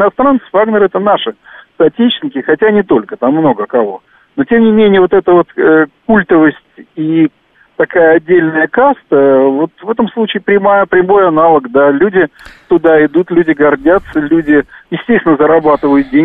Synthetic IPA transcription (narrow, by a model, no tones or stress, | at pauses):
nɐst̪ɾant̪sə̥vaɡnʲəɾɛt̪ənaʂɨst̪ɐtʲet͡ɕnʲɪkʲɪxɐtʲanʲɪt̪o̞lʲkət̪amːno̞ɡəkɐvo̞̰ | no̞tʲe̞mnʲɪmʲenʲɪjəvo̞t̪ɛt̪əvo̞t̪əkulʲt̪əvəsʲtʲi | t̪ɐkajəɐdʲːelʲnəjəkast̪əvo̞t̪vɛt̪əmslˠut͡ɕɪːpɾʲɪmajəpɾʲɪmo̞jɐnalˠəkd̪alʲudʲɪt̪ʊd̪aɪd̪ut̪lʲʉdʲɪɡɐrdʲat̪səlʲudʲɪjɪsʲtʲesʲt̪ʲɪnəzəɾɐbat̪ɨvəjʊt̪̚dʲe